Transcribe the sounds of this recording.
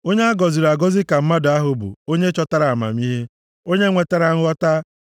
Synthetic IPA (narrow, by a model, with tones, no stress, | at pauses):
o˦ɲe˦a˦ɡɔ˨zi˨ɾa˨ɡɔ˦zi˦ka˨m̩˦ma˦dʊ˨a˦ɦʊ˨bʊ̰˨o˦ɲe˦t͡ʃɔ˦ta˦ɾa˨a˨ma̰˨mi˦ɦe˦ | o˦ɲe˦ŋʷe˨ta˦ɾa˨ŋ˦ɔ˦ta˦